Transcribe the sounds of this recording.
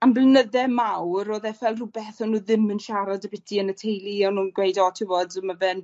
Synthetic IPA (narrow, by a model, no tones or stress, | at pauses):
amblnəðɛmawɾoːðɛfɛlˠrubɛθɔnuːðɪmənʃaɾɔdəbɪtʰiənətʰejlˠiɛwnuːnɡwejdɔtʰɪvodəmabɛn